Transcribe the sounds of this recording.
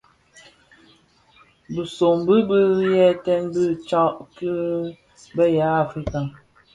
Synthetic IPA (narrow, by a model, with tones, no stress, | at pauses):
bə˨so˨mbə˦bə˦jɛ˦˨tɛ˦nbə˦t͡ʃa˦ʔki˦ | bə˦ja˨˦a˨fɾi˦ka˨